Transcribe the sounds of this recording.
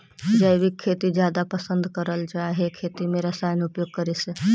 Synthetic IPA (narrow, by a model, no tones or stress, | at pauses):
d͡ʒəjbikʰːet̪id͡ʒjad̪apəsənd̪kəɾəlt͡ʃaɦekʰet̪imeɾəsajnupjoːɡ̚kəɾɛse